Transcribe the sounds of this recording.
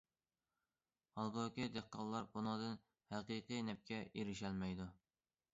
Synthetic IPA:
hɑlˠɡokʲid̪eqːɑlˠːɑɾbunɨŋd̪ɨn | hæqiqɨjnɛp̚kʲʰɛeɾɪʃɛlmɛjd̪u

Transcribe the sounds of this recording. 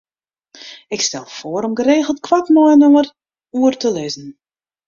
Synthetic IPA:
ɪkstɛlˠfoːəɾɔmɡəreːɣəlˠtkʰwatmɔənoŋər | uərtəlɪzn̩

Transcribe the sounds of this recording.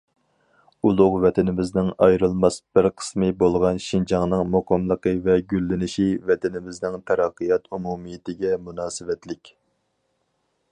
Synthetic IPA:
ulˠʊʁvɛt̪ʰɪnɪmɪznɪŋɑjɾɨlˠmɑsb̥ɪɾqʰə̥smɨbolˠʁɑnʃind͡ʒɑŋnɨŋmoqʰɑmlˠəqəvɛɡʲylːɪnɪʃivɛt̪ʰɪnɪmɪznɪŋt̪ʰɛɾɑqːɨjɑt̪umumijɪt̪ɪɡʲɛmunɑːsɨvɛt̪lɪkʲ

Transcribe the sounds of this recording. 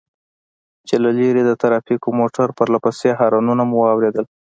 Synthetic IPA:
t͡ʃelaleɾed̪ət̪aɾɑfikomoʈaɾpəɾlapaseɦɑɾɑnunamuwɑwɾed̪əl

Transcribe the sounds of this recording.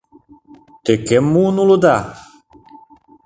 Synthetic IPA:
t̪ekemːuːnulud̪a

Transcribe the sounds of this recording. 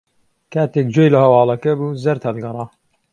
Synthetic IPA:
kaːt̪eːk̚d͡ʒoːjlɐhɐwɑːlˠɐkɐbuzɐɾt̪ʰɐlɡɐrˤɑː

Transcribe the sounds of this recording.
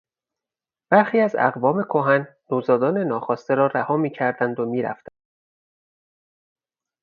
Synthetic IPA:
b̥æɾxiːæzæ̰ɣvɒːme̞kʰoɦænːoːzɒːd̪ɒːnenɒːxɒːst̪eɾɒːɾæhɒːmiːcʰæɾd̪ænd̪omiːɾæ̰ft̪ænd̪̥

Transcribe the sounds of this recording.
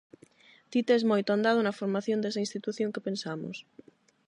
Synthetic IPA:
t̪it̪eezmojt̪oand̪að̞onɐfoɾmaθjond̪esainst̪it̪uθjoŋkepensamo̰s

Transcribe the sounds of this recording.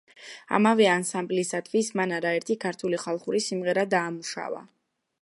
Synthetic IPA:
a̰mavɛansamblisat̪ʰʼvismanaɾaɛɾt̪ʰikʰaɾt̪ʰuliχalˠχuɾisimʁɛɾad̪aːmuʃa̰va̰

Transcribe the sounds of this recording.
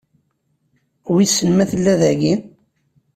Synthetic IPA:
wisːənmæθəlːæðæɡin

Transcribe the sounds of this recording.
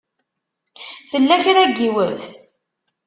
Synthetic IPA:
θəlːæçɾæɡːiwəɾθ

